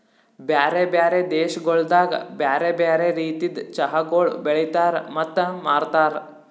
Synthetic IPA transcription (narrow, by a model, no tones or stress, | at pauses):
bjaːɾebjaːɾed̪eːʃɡoɭd̪aːɡbjaːɾebjaːɾeɾiːt̪id̪t͡ʃɐɦaɡoːɭbeɭit̪aːɾmɐt̪ːmaːɾt̪aːɾ